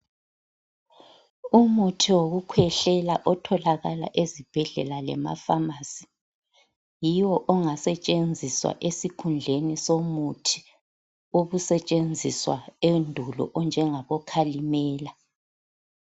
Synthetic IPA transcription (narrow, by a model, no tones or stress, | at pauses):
umutʰiwoɣukʰwɛɬɛlaʔɔtʰɔlaɣala̰ʔezib̥ʱɛɮɛ̰lalɛ̰ma̰famasi̥ | jiwɔʔɔŋasɛt͡ʃʼend͡zʱiswa̰ʔesikʰund͡ɮʱenisomutʰi̥ | oβusɛt͡ʃʼend͡zʱiswa̰endʱulɔ̰ʔɔnd͡ʒʱɛŋaβɔkʰalimɛːla